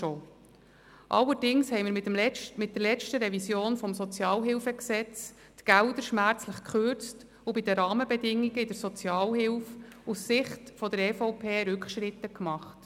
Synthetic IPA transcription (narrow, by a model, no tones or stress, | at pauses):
oː | ʔɑ̰lːəɾdɪŋshɛɪmɪːɾmɪt̪mlɛmɪt̚d̥̪əɾlɛt͡ʃtəɾɛvisjoːnfɔmsɔt͡sjɑːlɦɪlfəksɛt͡s | tɡ̥æld̪əɾʃmæɾt͡sləχkχørt͡st | ubɪd̪əɾɑːməbɛdɪŋːiɡəɪd̥̪əɾsɔt͡sjɑːlhɪlfusːɪχtfɔd̪əɾɛːfɔʊpʰeːɾʉkχʃɾɪt̪əkmɑχt